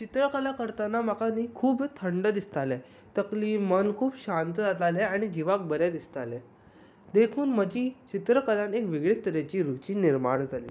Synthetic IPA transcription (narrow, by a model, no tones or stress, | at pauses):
t͡ɕit̪ɾəkəlakəɾt̪anamakaniːkʰuːbt̪ʰəɳɖəd̪ist̪alɛ | t̪əkliːmənkʰuːbɕant̪əd͡zat̪alɛaɽ̃id͡ʑiʋak̚bəɾjad̪ist̪alɛ | d̪ekʰuːnməd͡ʑiːt͡ɕit̪ɾəkəljãnekʋiɡɭet̪əɾet͡ɕiːɾut͡ɕiːniɾmaɳd͡zʱalḭ